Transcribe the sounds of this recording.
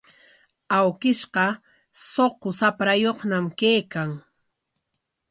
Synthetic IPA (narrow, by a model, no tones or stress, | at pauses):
awkɪʃqɑ | soqosapɾajoχnamkejkaŋ